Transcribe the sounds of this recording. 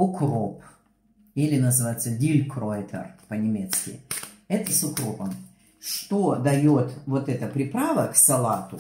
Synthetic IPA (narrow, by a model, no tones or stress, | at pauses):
ʊkrop | ilʲɪnəzɨvajɪt̪sːədʲilʲkɾoɪt̪ʰə̰rpənʲɪmʲet̪skʲɪ̰ | ɛt̪əsʊkɾo̞pəm | ʂt̪o̞d̪ɐjo̞t̪vot̪ɛt̪əpɾʲɪpɾavəksɐlˠat̪ʊ